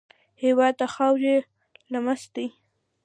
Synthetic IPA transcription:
hewɑd̪̚t̪axawd͡ʒe | lamast̪i

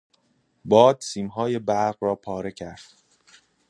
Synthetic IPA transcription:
bɒːd̪̥siːmɦɒːje̞bæɾɢrɒːpʰɒːɾe̞cʰæɾd̪̥

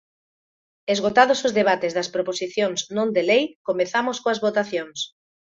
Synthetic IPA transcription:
ezɣot̪aðosozðeβ̞at̪ezðɐspɾoposiθjoŋznõnd̪elejkomeθamoskoɐzβot̪aθjoŋs

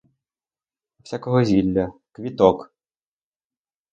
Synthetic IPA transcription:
w̥sʲakɔɦɔzʲilʲːɐkʋʲit̪ɔk

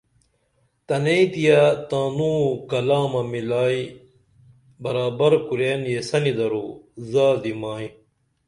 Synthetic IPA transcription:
t̪ɐneit̪ijat̪aːnuːkɐlaːmɐmilaːi | bɐɾaːbɐɾkuɾeːnjesɐnid̪ɐɾuːzaːd̪imaːjĩ

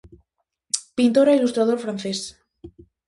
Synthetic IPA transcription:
pint̪oɾailust̪ɾaðofɾanθɛs

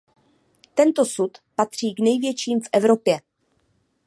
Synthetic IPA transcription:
t̪ɛnt̪o̞sut̪pat̪r̝̥iːɡnɛjvjɛt͡ʃiːmfʔɛvɾo̞pjɛ

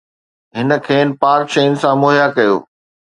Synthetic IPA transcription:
ɦɪnə̆kʰeːnɪ̆paːɾkʃeːnɪ̆sãmoːɦjakɐjo̰ː

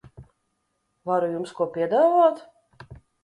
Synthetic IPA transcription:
vaɾujumskuɔpʲiɛd̪avoːt̪

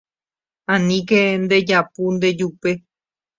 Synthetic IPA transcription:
ãnĩkend̪e̞d͡ʒapund̪e̞d͡ʒupe̞

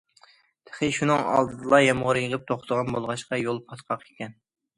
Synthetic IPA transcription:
t̪ʰə̥χɨʃunɨŋɑ̰lˠd̪ɨd̪ɨlˠɑjɑmʁəɾɨjəʁəp̚t̪ʰoχt̪əʁɑnbolˠʁɑʃqɑjolˠpʰɑt̪qʰɑqekʲɛn

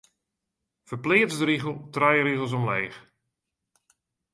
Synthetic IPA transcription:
fərplɪːtzdəɾiɣəlˠtrajəɾiɣəlˠs̬ɔmlɛːx

